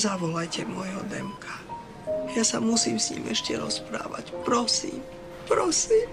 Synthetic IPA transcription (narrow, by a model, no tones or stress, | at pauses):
zaʋɔlajcɛmɔjɦɔd̪ɛmkʰḁ | jasamusiːmsɲḭːmɛʃcɛɾɔspɾa̰ːʋa̰cpɾɔsḭːm | pɾɔsiːm